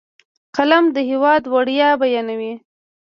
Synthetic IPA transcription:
qalamd̪əhɪwɑd̪waɽjɑbajɑnawi

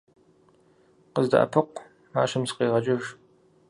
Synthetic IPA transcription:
qəzda̰ʔɐ̰pʰɨqʷ | maːɕɐmsqeːʁɐt͡ʃʼɐʒ

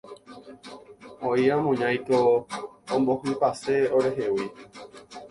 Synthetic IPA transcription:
oiãmõɲãj̃kõː | mbohɨ̃paseoɾe̞ɦewi

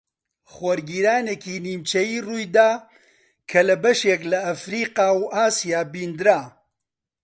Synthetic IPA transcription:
χwɔɾɡiːɾaːnekiːniːmt͡ʃɐjiːruːjd̪aː | kʰɐlɐbɐʃeklɐɐfɾiːqaːwʔaːsijaːbiːnd̪ɾaː

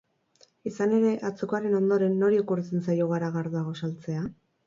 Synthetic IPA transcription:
isane̞ɾe̞ʔat͡sukaɾe̞no̞nd̪o̞ɾe̞nːo̞ɾiokuɾet͡sent͡sajoɣaɾaɣaɾðuaɣ̞o̞salt͡se̞a

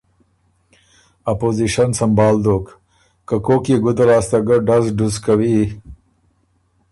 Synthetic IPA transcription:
apoziʃɐnsɐmbɑːld̪oːk | kakokiɡʊd̪aɾɑːst̪aɡɐɖazɖuzkawi

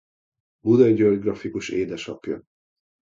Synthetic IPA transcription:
bud̪ɒiɟørɡrɒfikuʃeːd̪ɛʃɒkjø̰

